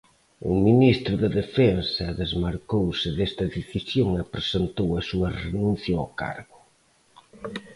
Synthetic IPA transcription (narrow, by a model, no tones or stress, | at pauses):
ʊ̰minist̪ɾʊðɐðefɛnsɐðezmaɾkowsɪðest̪ɐðeθisjoŋɪpɾesent̪owɐsuɐrenũn̟θjɐo̰ka̰ɾɣʊ